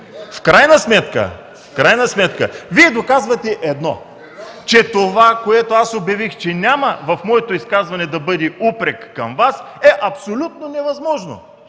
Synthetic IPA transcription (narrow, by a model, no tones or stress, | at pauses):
fkɾajnəsmɛt̪kə̰ | fkɾajnɐsmɛt̪kəviɛd̪okazvɐt̪ɛʔɛd̪nɔ̰ | t͡ʃɛt̪ovakoɛt̪oasobjɐvixt͡ʃɛnʲamɐvɐfmɔɛt̪oiskazvɐnɛd̪ɐbɤd̪ʲiupɾɛkːɐmvas | ɛʔɐpsolʲut̪̚nonɛvɐzmɔʒno̰